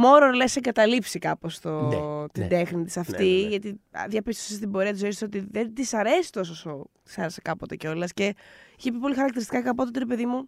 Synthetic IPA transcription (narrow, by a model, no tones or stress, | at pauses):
mo̞ɾoɾleseŋɡɐt̪ɐlipsikɐpo̞st̪ot̪id̪e̞xnit̪isɐft̪iʝɐt̪ḭðjɐpist̪oses̬t̪ibo̞ɾiɐt̪izoisot̪iðend̪isɐɾe̞si̥t̪o̞s̬osot̪i̥sɐɾesekɐpo̞t̪eceo̞lɐsce̞içepip̬o̞lixɐɾɐkt̪iɾist̪ikɐkɐp̬ot̪et̪iɾepe̞ðimu